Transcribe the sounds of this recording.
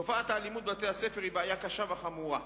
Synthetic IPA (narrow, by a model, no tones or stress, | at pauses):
ofaːt̪aːlimut̪̚vat̪ejhasefeʁibaajakaʃavaχamuʁa